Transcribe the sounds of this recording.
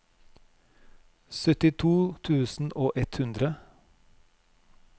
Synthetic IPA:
sœt̪ɪt̪ʰuːt̪ʰʉːsn̩ʔoːʔɛt̪hʉnd̪ɾə

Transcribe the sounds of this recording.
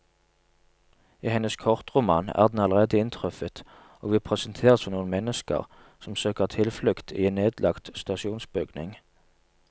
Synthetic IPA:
iːhɛnəskʰɔʁt̪ʁʊmɑ̰næ̰ːʁd̪n̩ɑləʁeːd̪əɪnt̪ʰʁœfət̪ | ʔoːɡʋɪːpʰʁɛsənt̪ʰeːʁəsfɔnuːənmɛnəskə̰ʁ | sɔmsøːkəʁt̪ʰɪlflʏkt̪ʰḭeːneːd̪lɑkt̪st̪ɑʃɪuːnsbʏɡnɪ̰ŋ

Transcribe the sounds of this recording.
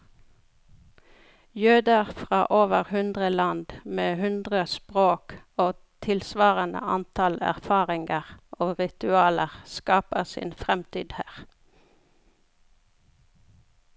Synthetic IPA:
jøːd̪əʁfʁɑːʔoːʋəʁhʉnd̪ʁəlɑnd̪meːhʉnd̪ʁəspʁoːk | oːt̪ʰɪlsʋɑːʁənə̰ɑnt̪ʰɑlæ̰ʁfɑːʁɪŋɡəʁʔoːʁɪt̪ʉɑːləʁskɑːpəʁsḭːnfʁɛmt̪ḭːd̪hæːʁ

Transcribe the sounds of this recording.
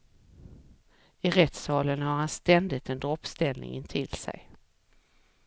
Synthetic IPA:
ɪɾɛt̪sɑːlənhaɾhanst̪ɛnd̪ɪt̪ɛnd̪ɾɔpːst̪ɛlnɪ̰ŋɪnt̪ʰɪlsɛ̰j

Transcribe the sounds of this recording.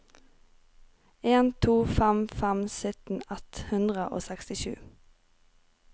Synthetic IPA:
eːnt̪ʰuːfæmfæmsʏt̪n̩ɛt̪hʉnd̪ʁəʔo̰ːsɛkst̪ɪʃʉ̰ː

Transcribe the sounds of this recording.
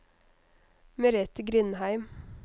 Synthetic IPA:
mɛɾɛt̪əɡɾʏnhæɪm

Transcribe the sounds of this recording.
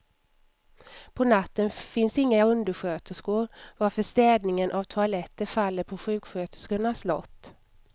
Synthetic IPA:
pʰɔnat̪ːənfɪnsɪŋːaɵnd̪əɧøːt̪ʰəskʊɾvaɾfœʂt̪ɛːd̪nɪŋənʔavt̪ʰʊalɛt̪ːəɾfalːəɾpʰɔɧʉ̟ːkɧøːt̪ə̥skʊnaslɔ̰t̪ː

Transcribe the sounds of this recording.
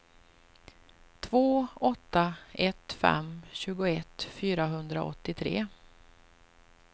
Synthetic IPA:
t̪ʰvoːɔt̪ːaɛt̪fɛ̰mɕʉ̟ːɡʊɛt̪fyːɾaɦɵnd̪ɾa̰ɔ̰t̪ːɪt̪ʰɾḛː

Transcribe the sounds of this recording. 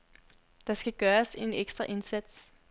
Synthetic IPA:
d̥ɑ̈sɡ̥æɡ̥ɶːɐse̝neɡ̥sd̥ʁɐʔe̝nsæd̥s

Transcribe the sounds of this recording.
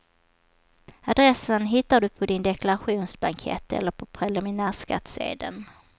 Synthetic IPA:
ad̪ɾɛsːənɦɪt̪ːaɖɵpʰɔd̪ɪnd̪ɛklaɾɧuːnsbaŋkʰɛ̰t̪ːɛ̰lːəɾpʰɔpʰɾɛlɪmɪnæːʂka̰t̪sḛːd̪ən

